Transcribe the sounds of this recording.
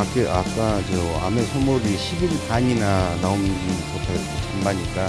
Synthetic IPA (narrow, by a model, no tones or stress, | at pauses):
akeʔak͈ad͡ʑea̰mesʰomoɾiɕʰibinsaɲinanaomikotʰa | t͡ɕʰambaɲik͈a